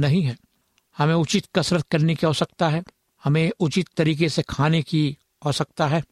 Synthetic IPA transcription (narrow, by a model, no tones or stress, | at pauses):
nɐɦĩɦɛ̃ː | hɐmẽʊt͡ʃɪt̪kɐsɾət̪kɐɾnekiɦoːsɐk̚t̪aɦɛː | hɐmẽʊt͡ʃɪt̪ːɐɾiːkesekʰaːneki | ɦoːsɐk̚t̪aɦɛː